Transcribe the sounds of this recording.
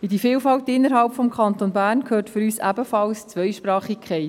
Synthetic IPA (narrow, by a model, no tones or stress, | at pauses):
idifiːlfɑltɪnːəɾɦɑlpfɔmkχɑnt̪onbæːrnkʰhøːtfʏɾyːsæ̰bəfɑlst͡sʋœjʃpɾɑːχikʰɛɪ